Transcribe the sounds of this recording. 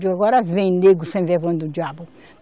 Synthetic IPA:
d͡ʒaɡɔɾɐvẽj̃neɡʊsẽvɛvɐ̃nd̪ʊd͡ʒiabʊ

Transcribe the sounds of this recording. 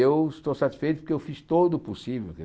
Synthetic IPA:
ewɪst̪osat̪i̥sfejt̪ʊpʊɾkeewfist̪od̪ʊpusivewk

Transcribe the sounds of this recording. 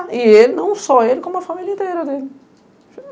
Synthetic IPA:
ɪelɪnɐ̃w̃sɔelɪkõmuɐfamilɐĩnt̪ejɾɐd̪elɪ

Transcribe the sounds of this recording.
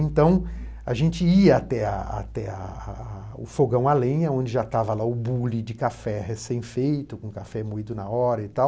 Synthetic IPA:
ẽnt̪ɐ̃w̃ | aʒẽnt͡ʃɪiɐat̪ɛaa̰t̪ɛɐ | ʊfoɡɐ̃w̃alẽɲɐõnd͡ʒɪʒat̪avɐlaʊbulɪd͡ʒɪkafɛɦesẽj̃fejt̪ʊkõkafɛmoid̪ʊnɐɔɾɐit̪aw

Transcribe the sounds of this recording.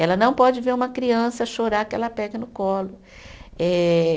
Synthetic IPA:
ɛlɐnɐ̃w̃pɔd͡ʒɪveɾũmɐkɾiɐ̃sɐʃoɾakɪɛ̰lɐpɛɡɐnʊkɔlʊ | ɛ

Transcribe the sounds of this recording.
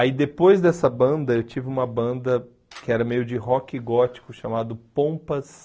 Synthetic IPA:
aid̪epojzd̪ɛsɐbɐ̃nd̪ɐewt͡ʃivɪũmɐbɐ̃nd̪ɐ | kɪɛɾɐmejʊd͡ʒɪɦɔkɪɡɔt͡ʃi̥kʊʃamad̪ʊpõpɐs

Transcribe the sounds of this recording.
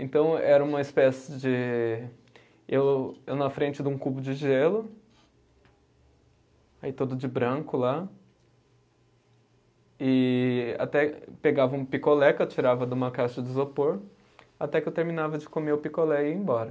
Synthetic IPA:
ẽt̪ɐ̃w̃ɛɾɐũmɐispɛsɪ̥d͡ʒɪ | ewewnɐfɾẽnt͡ʃɪd̪ũkubʊd͡ʒɪʒelʊ | ait̪od̪ʊd͡ʒɪbɾɐ̃kʊla | ɪa̰t̪ɛpeɡavɐũpikolɛket͡ʃiɾavɐd̪ũmɐkaʃɐd͡ʒɪzopoɾ | at̪ɛkɪewt̪eɾmĩnavɐd͡ʒɪkomeʊpikolɛiẽj̃bɔɾɐ

